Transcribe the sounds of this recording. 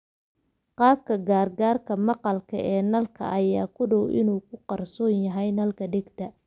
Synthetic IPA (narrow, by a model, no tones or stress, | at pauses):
qɑːb̚kʰɐɡaːrɡaːrkʰɐmɑqɑlkʰɐ̰ʔɛːnɐlkʰɐ̰ʔɐja̰ːkʰʊɖɔwʔɪ̰nuːkʰʊqɑrsɔːnjɐɦɛjnɐlkʰɐɖɪɡt̪ʰɐ